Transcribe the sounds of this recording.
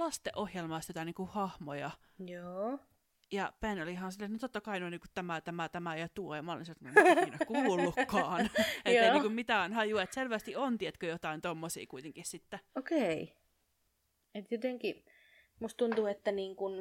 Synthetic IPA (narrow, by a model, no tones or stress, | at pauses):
lɑst̪eʔohjelmɑˑst̪ot̪ɑniːŋkuhɑhmojɑ | joː | jɑpænolihɑːnsilːet̪not̪ot̪ːɑkɑinoˑiniːkut̪t̪æmæt̪æmæt̪æmæejɑt̪uojɑmæolḭnsit̪kneinokuːlːukːɑːnet̪oːeinːiŋkumit̪ænhɑjuet̪selʋæst̪iont̪iet̪køjot̪ɑint̪omːosḭːkuit̪eŋkissit̪ːæokei | et̪jot̪eŋki | must̪t̪unt̪uet̪ːæniːŋkun